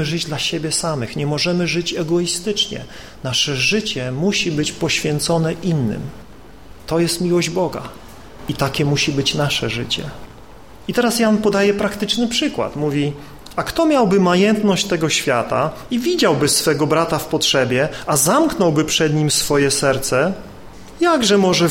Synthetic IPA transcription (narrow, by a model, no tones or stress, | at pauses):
ɘʐɘd͡ʑd̪laɕebʲjɛsamɘxɲɛmɔʐɛmɘʐɘt͡ɕɛɡɔist̪ɘt͡ʂɲɛ̰ | naʂɛʐɘt͡ɕɛmuɕibɘt͡ɕpɔɕfʲjɛnt̪sɔnɛʔinːɘ̰m | t̪ɔjɛst̪mʲiwɔʑd͡ʑbɔɡa̰ | it̪akʲɛmuɕibɘt͡ɕnaʂɛʐɘt͡ɕɛ̰ | it̪ɛɾasjanpɔd̪ajɛpɾakt̪ɘt͡ʂnɘpʂɘkwa̰t̪muvʲi | akt̪ɔmʲjawbɘmajɛnt̪nɔɕt͡ɕt̪ɛɡɔɕfʲjat̪a̰ | ivʲid͡ʑawbɘsfɛɡɔbɾat̪afpɔtʂɛbʲjɛazamknɔwbɘpʂɛd̪ɲimsfɔjɛsɛɾt̪sɛ | jaɡʐɛmɔʐɛ